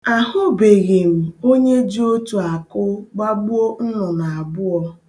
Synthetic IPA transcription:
a˨ɦʊ˦be˨ɣe˨ŋu˨o˦ɲe˦d͡ʒi˦o˦tu˨a˨kʊ˦ɡ͡ba˦ɡ͡bʊ˦o˦n̩˦nʊ˨na˨a˨bʊ˦ɔ˦

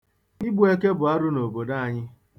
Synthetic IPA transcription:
i˦ɡ͡bu˦e˦ke˦bʊ˨a˦ɾʊ˦no˨bo˨da˦a˨ɲɪ˦

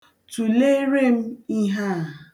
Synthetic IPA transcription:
tu˨le˦ɾe˦m̩˦i˦ɦa˦˨

